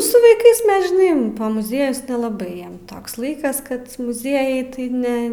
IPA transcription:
sʊ ʋɐɪˈkɐɪs ˈmʲɛs ʒʲɪˈnɐɪ pɐ mʊˈzʲiɛjʊs nʲɛlˠɐˈbɐɪ ˈjiɛm ˈtoːks ˈlˠɐɪkɐs ˈkɐt mʊˈzʲiɛjɛɪ tɐɪ ˈnʲɛ

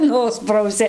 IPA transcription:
ˈnʊsprɐʊsʲɪ

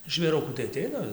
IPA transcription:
ʒʲʋʲeːˈrʊkuː tɐɪ ɐˈtʲɛɪnɐ

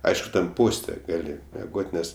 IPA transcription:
ˈɐɪʃkʊ tʲɛn ˈpoːsʲtʲɛ ˈɡɑːlʲɪ mʲɛˈɡoːtʲ ˈnʲɛs

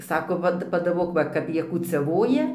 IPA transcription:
ˈsɑːkoː ˈʋɐt pɐdɐˈboːk ˈʋɐ ˈkɐp ˈjiɛ kuːt͡sʲɛˈʋoːjɛ

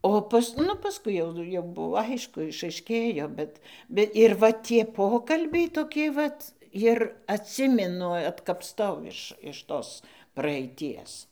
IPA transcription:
ˈoː pɐs ˈnʊ pɐsˈkʊɪ jɛʊ jɛʊ ˈbʊʋoː ˈɐɪʃkʊ ɪʃɐɪˈʃʲkʲeːjoː ˈbʲɛt ˈbʲɛ ɪr ˈʋɐ tʲiɛ ˈpoːkɐlʲbʲɛɪ toːˈkʲɪ ˈʋɐt ɪr ɐtʲˈsʲɪmʲɪnʊ ɐtkɐpˈtɐʊ ɪʃ ɪʃ ˈtoːs prɐɛɪˈtʲiɛs

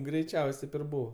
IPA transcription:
ɡrʲɛɪˈt͡ʃʲɛʊsʲ ˈtʲɛɪp ɪr ˈbuːʋɐ

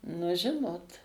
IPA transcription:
nʊ ˈʒʲɪnoːt

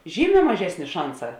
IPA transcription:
ˈʒʲiːˌmʲɛː mɐˈʒʲæːsʲnʲeː ˈʃɐnˌsɑː

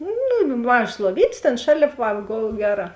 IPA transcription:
ˈnʊ nʊ ˈmɑːʒɐs lˠuɔˈʋʲiːtʲeːs ˈtʲeːn ˈʃɑːlʲeːp ˈʋɐ ˈɡoːlˠ ˈɡʲæːˌrɑː

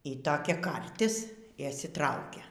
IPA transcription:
iː toːˈkʲɛ ˈkɐrʲtʲɪs ɪ ɪʃʲsʲɪˈtrɐʊkʲɛ

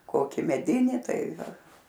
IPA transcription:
ˈkoːkʲɪ mʲɛˈdʲɪnʲɪ ˈtɐɪ ˈʋɐ

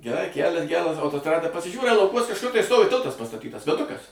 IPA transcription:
ɡʲɛˈrɐɪ ˈkʲælʲɛs ˈɡʲæːrɐs ɐʊtoːsˈtrɑːdɐ pɐsʲɪˈʒʲuːrɐɪ lˠɐʊˈkuɔs kɐʃˈkʊr tɐɪ ˈstoːʋʲɪ ˈtʲɪlˠtɐs pɐstɐˈtʲiːtɐs ʋʲɛˈdʊkɐs

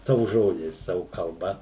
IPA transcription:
ˈsɑːʋʊ ˈʒoːd͡ʒʲɛɪs ˈsɑːʋʊ kɐlˠˈbɐ

